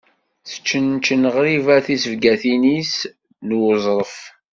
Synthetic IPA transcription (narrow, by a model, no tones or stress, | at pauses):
θə̥t͡ʃːənt͡ʃːənəʁɾivæθisəvɡæθinis | nwəzˤɾˤəf